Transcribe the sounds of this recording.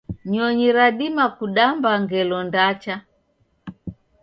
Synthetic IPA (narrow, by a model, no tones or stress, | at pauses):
ɲɔɲiɾaɗimakuɗambaŋɡɛlɔndat͡ʃa